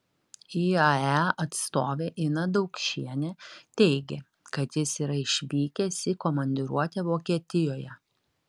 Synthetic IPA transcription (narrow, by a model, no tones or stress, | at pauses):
iːɐæɐt̪st̪oːʋʲeːʔɪnɐd̪ɒʊkʃʲiɛnʲɛt̪ʲɛɪɡʲe | kɐt̪jɪsiːɾɐɪʃʲʋʲiːkʲɛsʲɪkɔmɐnʲd̪ʲɪɾuɔt̪ʲɛʋoːkʲiɛt̪ʲɪjoːjɛ